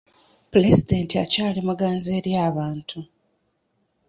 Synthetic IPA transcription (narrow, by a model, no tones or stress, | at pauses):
puɾezide̞ntia̰caːlimuɡaːnzeːɾjaːβaːntʰu